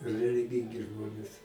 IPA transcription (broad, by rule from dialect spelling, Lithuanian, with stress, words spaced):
rʲɛlʲɪˈɡʲɪŋʲɡʲɪ ˈʒmoːnʲeːs